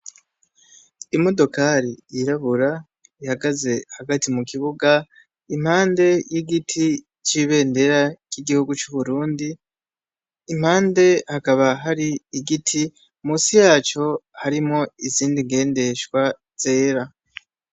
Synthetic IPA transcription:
imo̞do̞kaɾiiɾaβuɾa | ihaɡaze̞haɡatimukiβuɡa | im̥haːnde̞jiɡitʰi | t͡ʃiβe̞ːnde̞ɾakiɡihuɡut͡ʃuβuɾuːndi | m̥haːnde̞hakaβaɦaɾiiɡitʰi | muːsijaːt͡ʃo̞haɾimo̞iziːndiŋɡe̞ːnde̞ʃwa | z̥e̞ːɾa

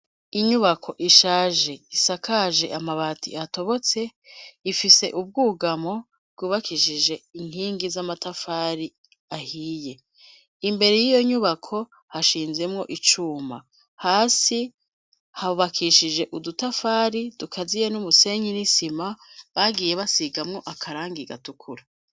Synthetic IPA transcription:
iɲuβakʰo̞ʔiʃaːʒe̞isakaʒe̞̰ʔamaβaːtʰḭato̞βo̞t͡se̞ifise̞ʔub̚ɡuːɡamo̞ | bɡuːβakʰiʃiʒe̞iŋ̥hiːŋɡizamatafaːɾi | ahiːje̞ | imbe̞ɾe̞jijo̞ɲuβakʰo̞ | haʃiːnzemŋo̞ʔit͡ʃuma̰ | haːsi | haβuβakʰiʃid͡ʒe̞ʔudutafaːɾidukʰazijenumuse̞ːɲinisimaβaɡiːje̞βasiɡamŋo̞ʔakʰaɾaːŋɡiɡatukʰuɾa

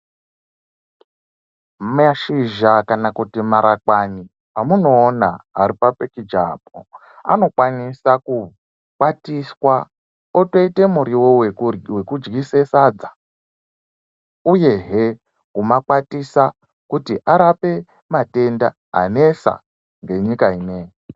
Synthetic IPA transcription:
maʃiʒakanakutimaɾʔakwani | pamuno̞ːnaa̰ɾipapekid͡ʒa̰b̚o̰ | a̰no̞kwanisaku | kwatiswa | otoite̞muɾiwowe̞kud͡ʒɡisesad͡za | ujeɦe | kumakwatisa | kutiʔaɾape̞ | mate̞nda̰ | a̰ne̞sa̰ | ŋɡe̞ɲikaineːje

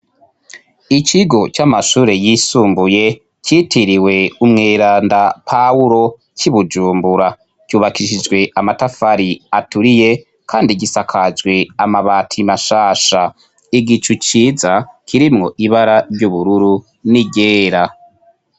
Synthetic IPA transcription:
it͡ʃiɡo̞t͡ʃamaʃuːɾe̞jisuːmbuje̞ | citʰiɾiwe̞umŋeːɾaːndapʰauɾo̞ | ciβud͡ʒuːmbuɾa | cuːβakiʃid͡ʒɡwe̞ʔamatafaɾiatuɾije̞ | kʰaːndiɡisakʰazɡwe̞amaβaːtʰimaʃaːʃa | iɡit͡ʃut͡ʃiːzakʰiɾimŋo̞ʔiβaɾaɾjuβuɾuɾu | niɟeːɾa

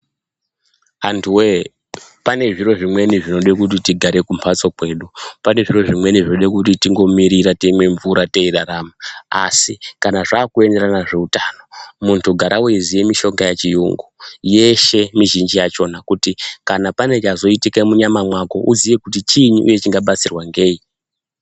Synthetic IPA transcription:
antʰuwe | pane̞ʐiro̞ʐimwe̞niʐino̞ɗekut̬itiɡʱaɾe̞kumpʰat͡sokwe̞ːɗupane̞ʐiro̞ʐimwe̞niʐinoɗekut̬itiŋɡo̞miɾiɾateimwe̞ɱvuɾate̞iɾaɾama̰ːsikanaʐaːkue̞nde̞ɾanaʐe̞utano̞muntʰuɡʱaɾʔaweizije̞miʃo̞ŋɡajat͡ʃijṵŋɡuje̞ʃe̞miʒind͡ʒijat͡ʃo̞nakutikanapane̞t͡ʃazo̞itikemuɲamamwako̞ʔuzijekutit͡ʃiɲuʔṵje̞t͡ʃiŋɡaɓat͡sirwaŋɡe̞ːi

